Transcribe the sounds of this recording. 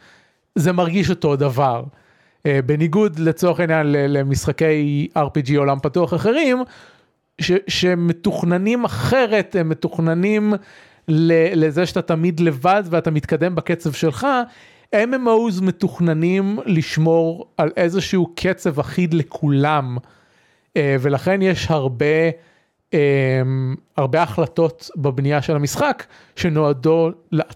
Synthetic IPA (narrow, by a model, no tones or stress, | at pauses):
zemaʁɡiʃo̞to̞davaʁ | beniɡud̪let͡soʁeχainjanlelemisχake̞jaʁpid͡ʒio̞lampatuaχaχe̞ʁim | ʃeʃemːetuχnanimaχe̞ʁe̞t̪hemːetuχnanim | lelezeʃat̪atamid̪le̞vadveat̪amit̪kade̞mbaket͡sevʃe̞lχa | ememauzme̞tuχnanimliʃmo̞ʁalʔe̞zeʃiukʰet͡sevaχid̪lekʰulam | eve̞laχe̞njeʃhaʁbe | emhaʁbeaχlato̞tbabnijaʃelamisχak | ʃeno̞ado̞lea